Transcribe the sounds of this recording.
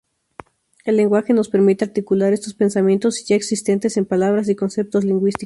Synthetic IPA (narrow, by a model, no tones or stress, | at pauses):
e̞lːe̞ŋɡwaxe̞no̞spe̞ɾmit̪eaɾt̪ikulaɾe̞st̪ospe̞nsamjent̪o̞siʝaeksist̪e̞nt̪e̞se̞mpalaβɾas̬iko̞nse̞p̚t̪o̞zliŋɡwist̪i